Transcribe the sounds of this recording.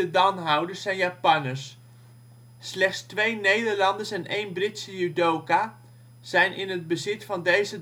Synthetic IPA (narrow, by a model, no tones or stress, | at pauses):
ədɑnɦawdəsɛjnjapɑnəs | lɛχtstʋejnejdəɹlɑndəsɛnʔejnbrɪtsəjudowka | z̥ɛjnʔɪnɦəd̚bəzɪtfɑndejzə